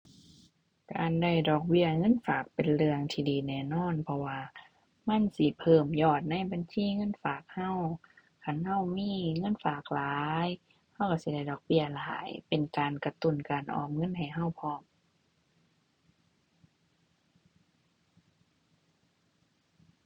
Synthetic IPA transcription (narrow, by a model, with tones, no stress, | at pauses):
ka̰ː˨nda˧˩jdɔː˨˩k̚bi˧˩˨ɐŋɤ˧˥˨nfaː˨˩k̚pe˨nlɯ˧əŋt̪ʰiː˧diː˨˩nɛː˧˩nɔː˧˥˨npʰɔ˧waː˧ | ma˧˥˨nsi˧˦pʰɤː˧˩mjɔː˧˩t̪̚na˧˥˨jba˨nsiː˧˥˨ŋɤ˧˥˨nfaː˨˩k̚ha˧˥˩w | kʰa˧˥˩nha˧˩˨wmiː˧˥˨ŋɤ˧˥˨nfaː˨˩k̚laː˨˦j | ha˧˩wka˧˩si˧˦da˧˩jdɔː˨˩k̚bi˧˩ɐlaː˨˦jpe˨nkaː˨nka˧t̪u˧˩˨nkaː˨˩nʔɔ̰ː˧˨˩mŋɤ˧˥˨nha˨˩jɦa˧˩˨wpʰɔː˧˥˨m